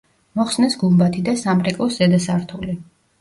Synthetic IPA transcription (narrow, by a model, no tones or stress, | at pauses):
mɔχsnɛsɡulˠbat̪ʰid̪asamɾɛkʼɔszɛd̪asaɾt̪ʰuli